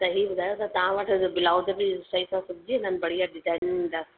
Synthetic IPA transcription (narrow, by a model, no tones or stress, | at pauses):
t̪ɐɦibʊd̪ʱaːjot̪ɐt̪ɐʋãʋəʈʰd͡ʑobɪlaːʊd̪əpiʃɐisãsʊbʱɪd͡ʑiɦɪ̃nənbɐɽ̤ijaɖɪzaːɪnɪ̃d̪aːs